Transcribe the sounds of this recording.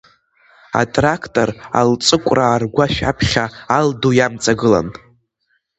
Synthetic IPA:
a̰tʼrakʰtʼora̰lt͡sʼɨkʷʼraːrɡʷaʃᶣapʰχʲaːldujamt͡sʼaɡɨla̰n

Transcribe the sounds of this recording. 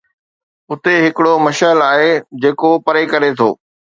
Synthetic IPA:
ʊt̪eɦɪkɪɽomɐʃəlaːɦed͡ʑeːkopɐɾekɐɾet̪ʰo̰ː

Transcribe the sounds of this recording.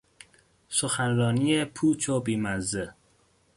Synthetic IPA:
soxænɾɒːniːepʰuːt͡ʃʰobiːmæze

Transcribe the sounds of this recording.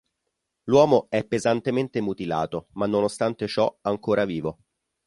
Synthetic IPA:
lwɔːmoɛpːezant̪ement̪emut̪ila̰ːt̪omanːonost̪ant̪et͡ʃɔaŋkoːɾaviːvo

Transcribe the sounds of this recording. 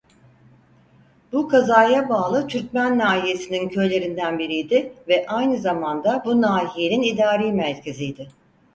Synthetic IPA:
bukʰazaːjabaːlˠɯt̪ʰyɾt̪̚mænːaːɦije̞sinincʰø̞jlʲe̞ɾind̪ænbiɾijd̪ɪvɛʔajnɯzamand̪abunaːɦije̞ninid̪aːɾeːmæɾcʰe̞zijd̪ɪ

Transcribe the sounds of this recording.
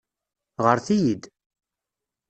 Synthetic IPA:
ʁəɾθijid̪

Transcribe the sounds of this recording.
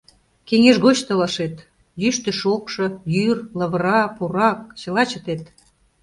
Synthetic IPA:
keŋeʃɣot͡ɕt̪əlɑʃet̪ | jyʃt̪ə̆ʃokʃɤ̆jyrləβəɾɑpuɾɑk̚t͡ɕə̆lɑt͡ɕət̪et̪

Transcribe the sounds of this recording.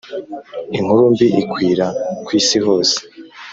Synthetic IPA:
iŋ̥huɾumbiʔikwiːɾakwiːsiɦo̞ːse̥

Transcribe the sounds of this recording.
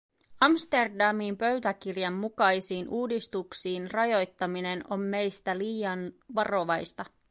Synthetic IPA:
ɑmst̪erdɑmimpø̞ɥt̪ækirjɑmːukɑjsiːnʔuːdist̪uksiːnrɑjo̞jt̪ːɑmine̞no̞mːe̞jst̪æliːjɑnʋɑro̞ʋɑjst̪ɑ

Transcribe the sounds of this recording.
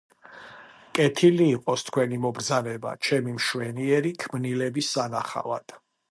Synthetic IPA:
kʼɛt̪ʰiliːqʼɔst̪ʰkʰwɛnimɔbɾd̪zanɛba̰t͡ʃʰɛmimʃwɛniɛɾikʰmnilɛbisːanaχa̰va̰d̪̥

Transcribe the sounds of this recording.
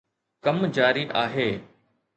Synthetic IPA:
kɐmd͡ʒaːɾiʔaːɦeː

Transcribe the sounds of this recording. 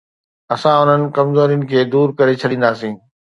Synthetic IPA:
ɐsãʊn̤ənɪ̆kɐmzoːɾijʊnɪ̆kʰeːd̪uːɾkɐɾet͡ɕʰɐɗĩːn̆d̪aːsĩː

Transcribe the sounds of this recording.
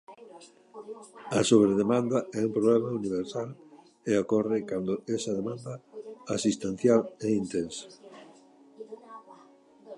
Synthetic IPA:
ɐsoβɾeðemãnd̪ɐɛumpɾoβlemauniβ̞eɾsal | eokɔrekand̪ʊesɐðemãnd̪ɐasist̪en̟θjalɛint̪ensḁ

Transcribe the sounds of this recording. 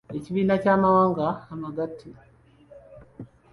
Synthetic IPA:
eciβiːnacaːmawaːŋɡaːmaɡatʰːi

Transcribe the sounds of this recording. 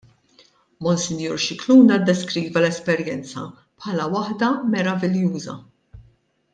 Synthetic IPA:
mɔnsɪnjuːɾʃɪkluːnɐd̪ːɛskɾiːvɐlɛspɛɾjɛnt͡sɐ̰ | pħɐːlɐwɐħd̪ɐmɛɾɐvɪljuːzɐ̰

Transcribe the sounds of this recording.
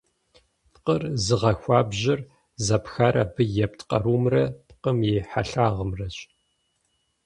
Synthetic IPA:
pqərzɨʁɐxʷaːbʑɪr | zɐpxaːɾʔɐbɨjɛp̚tʰqɐ̰ɾuːmrɐpqəmjeːħaɬaːʁəmrɐɕʼ

